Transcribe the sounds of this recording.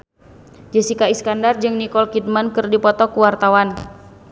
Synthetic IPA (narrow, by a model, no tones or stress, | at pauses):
d͡ʒəsikaiskandard͡ʒɨŋnikɔlkid̚mankɨrdipɔt̪ɔkuwart̪awan